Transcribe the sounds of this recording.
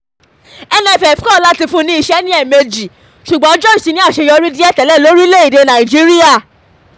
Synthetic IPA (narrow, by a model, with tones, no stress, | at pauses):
ɛ˧nɛ̃˧˨fɛ˨fkɔ˦˨la˦ti˧fũ˧˦nĩ˦i˧ʃɛ˦nĩ˦ɛ˦˨me˧d͡ʒi˨ | ʃu˨ɡ͡bɔ̃˨˧˦d͡ʒɔ˦˨si˧nĩ˦a˦˨ʃe˧jɔ̃˧˦ɾi˦di˦ɛ˦˨tɛ˨lɛ˦˨lo˨˦ɾi˦le˦i˦˨de˧nã˨i˨d͡ʒi˨˦ɾi˦a˦˨